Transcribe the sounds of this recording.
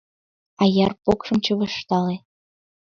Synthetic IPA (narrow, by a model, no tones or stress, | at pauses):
ɑjɑrpokʃɤ̆mt͡ɕə̆βəʃt̪ɑle